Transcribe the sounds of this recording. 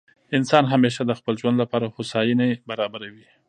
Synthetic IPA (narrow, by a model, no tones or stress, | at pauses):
ɪnsɑnɦameʃad̪əxpəlʒwand̪lapɑɾaxosɑjinebaɾɑbaɾawi